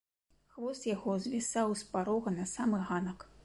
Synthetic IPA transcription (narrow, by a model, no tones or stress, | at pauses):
xvɔst̪jaɣɔzʲvʲisawspaɾɔɣɐnɐsamɨɣanɐk